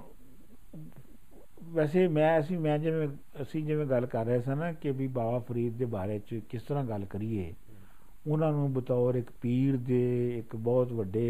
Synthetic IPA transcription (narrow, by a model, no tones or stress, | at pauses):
ʋɛːseːmɛ̃ːəsĩːmɛ̃ːd͡ʒɪʋẽː | əsĩːd͡ʒɪʋẽːɡəlkəɾːəeːs̬ãːnaːkɪbiːbaːʋaːpʰəɾiːd̪d̪eːbaːɾeːt͡ʃkɪst̪əɾãːɡəlkəɾiːḛː | ʊnãːnũːbət̪aːoːɾɪkpiːɾd̪eːɪkbɔːt̪ʋəɖːeː